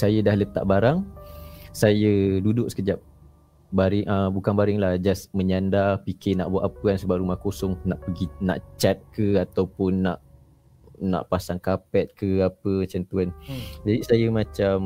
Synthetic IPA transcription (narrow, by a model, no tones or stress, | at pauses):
sajədahlət̪a̰ʔbaɾaŋ | sajədudʊʔsə̥kəd͡ʒap̚ | baɾɪŋʔəbukanbaɾɪŋlahd͡ʒasməɲandapikɪna̰ʔbuaʔapəansəbap̚ɾumahkosɔŋnaʔpəɡinã̰ʔt͡ʃat̪̚kəat̪awpʊnːa̰ʔ | na̰ʔpasaŋkapɛt̪̚kəapət͡ʃant̪uand͡ʒadisajəmãt͡ʃam